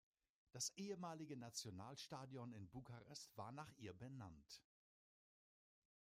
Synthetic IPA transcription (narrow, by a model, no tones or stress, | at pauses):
d̥asʔeːəmaːlɪɡənat͡sjonaːlʃtaːdjɔnɪnbukaʁɛstv̥aːɐnaːχʔiːɐbənant